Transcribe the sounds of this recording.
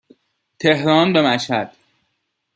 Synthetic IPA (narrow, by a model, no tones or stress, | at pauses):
t̪ʰehɾɒːnbemæʃhæd̪̥